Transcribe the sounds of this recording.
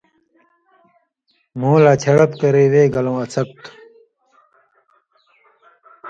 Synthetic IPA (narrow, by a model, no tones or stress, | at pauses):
muːlaːt͡ɕʰɐɽɐt̪kɐɾeːweːɡɐlõːɐt͡sʰɐk̚t̪ʰ